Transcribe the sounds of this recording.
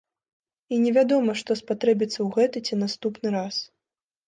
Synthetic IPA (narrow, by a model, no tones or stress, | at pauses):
inʲɛvʲad̪ɔmɐʂt̪ɔspat̪ɾɛbʲit̪sːɐwɣɛt̪ɨt͡sʲinast̪upnɨɾas